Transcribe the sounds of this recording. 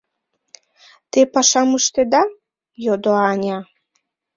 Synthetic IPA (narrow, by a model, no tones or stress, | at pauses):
t̪epɑʃɑməʃt̪ed̪ɑ | jod̪oɑnʲɑ